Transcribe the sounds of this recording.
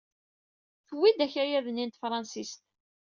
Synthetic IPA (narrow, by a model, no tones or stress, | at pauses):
θəwːid̪æçæjæðnint̪fɾˤɑnsist̪